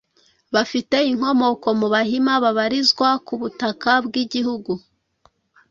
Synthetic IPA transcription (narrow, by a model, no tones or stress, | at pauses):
βafite̞iŋ̥ho̞mo̞ko̞muβahimaβaβaɾizɡwakuβutakabɡiɟihuɡu